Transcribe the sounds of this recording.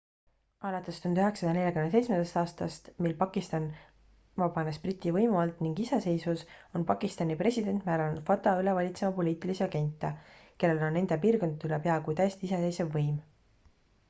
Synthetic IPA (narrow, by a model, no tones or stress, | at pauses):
ɑlɑt̪ːˑest̪und̪yɦe̞ksɑ̥jɑne̞lʲjɑkymnesejt̪t͡ssmend̪̥est̪ɑːst̪ɑst̪milpɑkˑist̪ɑn | vɑb̥ɑnesprit̪ʲːˑivɤjmuɑlt̪ˑniŋɡ̥isese̞jsvuso̞npɑkist̪ɑnipre̞sid̪e̞nt̪ːˑmæːɾɑlnud̪̥fɑt̪ːˑɑylevɑlʲit̪se̞mɑpo̞liːt̪ˑiliseɑɡ̥e̞nʲt̪ːˑɑke̞lːe̞lo̞nːe̞nd̪̥epiːrko̞nd̪̚t̪ːˑylepeɑkujt̪æjest̪iisese̞jsevːɤjm